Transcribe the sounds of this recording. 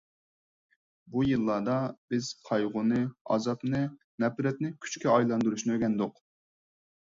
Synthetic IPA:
bujɨlˠːɑːd̪ɑbɪz̥qʰɑjʁʊnɨɑ̰zɑpnɨnɛpɾɛt̪nɪkʲʰy̥t͡ʃkʲiɑjlˠɑnd̪uɾuʃnɨøɡʲɛnd̪ʊq

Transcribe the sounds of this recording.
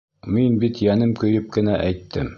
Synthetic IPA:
minbit̪jænɘmkɵ̆jɘp̚kɘ̆næʔæjt̪ʰːɘm

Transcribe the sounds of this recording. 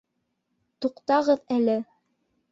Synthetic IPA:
t̪uqt̪ɑʁɤðælɘ

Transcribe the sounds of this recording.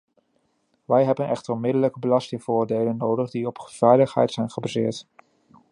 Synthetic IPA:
ʋɛjɦɛbənʔɛ̰χtərɔnmɪdələkəbəlɑstɪŋvʊːɹdejlənːowdəχdiɔpv̥ɛjləχɦɛ̰jtsɛjnχəbazɪːɹt

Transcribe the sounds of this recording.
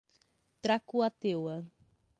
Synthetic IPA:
t̪ɾakuat̪ewɐ

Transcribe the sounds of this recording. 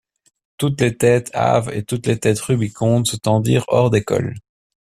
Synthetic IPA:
t̪ut̪let̪ɛt̪ʰa̰vḛt̪ut̪let̪ɛːt̪ʁybikʰɔ̃ːd̪sət̪ɑ̃d̪iːʁɔ̰ʁd̪ekɔ̰l

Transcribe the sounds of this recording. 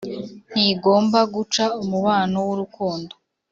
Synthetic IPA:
n̥iɡo̞ːmbaɡut͡ʃaumuβaːnowuɾukuːndo

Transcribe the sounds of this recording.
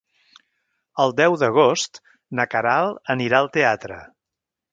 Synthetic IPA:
əlˠd̪ɛwðəɣ̞ost̪ | nəkəɾalˠəniɾaəlˠt̪eat̪ɾə̰

